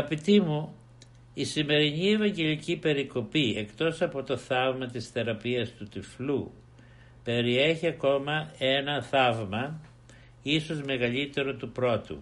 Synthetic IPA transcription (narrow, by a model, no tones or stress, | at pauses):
ɐɣɐpit̪imu | isime̞ɾinie̞vɐɲɟe̞licipe̞ɾiko̞pie̞kt̪o̞sɐpo̞t̪o̞θɐvmɐt̪isθe̞ɾɐpiɐst̪ut̪iflu | pe̞ɾie̞çiɐko̞mɐe̞nɐθɐvmɐ | iso̞zme̞ɣɐʎit̪e̞ɾo̞t̪upɾo̞t̪ṵ